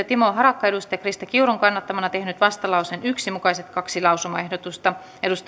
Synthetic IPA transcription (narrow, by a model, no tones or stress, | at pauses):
ɑt̪imoːɦɑɾɑkːɑedust̪ɑjɑkrist̪ɑkiuɾuŋkɑnːɑt̪ːɑmɑnɑt̪ehnyt̪ʋɑst̪ɑlɑusenyksimukɑiset̪kɑksilɑwsumɑehdot̪ust̪ɑ | edust̪